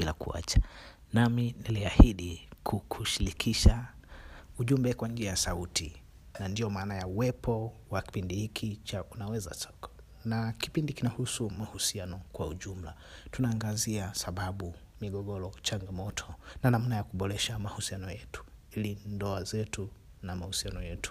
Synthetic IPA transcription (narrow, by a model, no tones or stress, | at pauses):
ɓila̰kṵa̰t͡ʃḁ | naminiliahiɗikʰukʰuʃiɾikʰiʃa | uʄumbɛkwand͡ʒiajasauti | nandiɔmaːnajauwɛpʰɔwaki̥pindihikʰit͡ʃaʔunawɛza̰sɔkḁ | naki̥pindikinahusumahusianɔkwauʄum̩la | tunaːŋɡaziasaɓaɓu | miɠɔɠɔɾɔt͡ʃaŋɡamɔtʰɔnanam̩najakuɓɔɾɛʃamahusianɔjɛtu̥ | ilindɔazɛtu | namahusianɔjɛtu̥